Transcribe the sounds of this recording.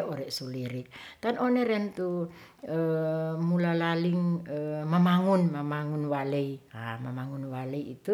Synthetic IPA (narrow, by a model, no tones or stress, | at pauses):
oɾɛsuliɾik̚t̪anoneɾɛnt̪u | əmulalaliŋəmamaŋunmamaŋunwaleia̰mamaŋunwaleiit̪u